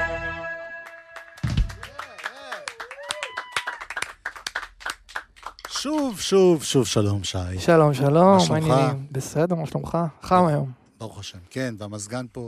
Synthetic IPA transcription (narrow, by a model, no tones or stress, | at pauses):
ʃuvʃuvʃuvʃalo̞mʃajʃalo̞mʃalomanibesedeʁmaʃlomχaχamajo̞m | baʁuχaʃemkenvamazɡanpo